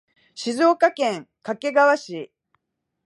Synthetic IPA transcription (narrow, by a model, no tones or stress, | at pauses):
ɕizo̞ːkakẽ̞ŋ | kake̞ɡaβaɕi